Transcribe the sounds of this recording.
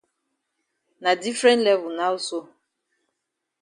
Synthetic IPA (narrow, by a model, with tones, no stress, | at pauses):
na˨di˦fɾɛ̃˦ntlɛ˦vʊ˨na˦o˦so˦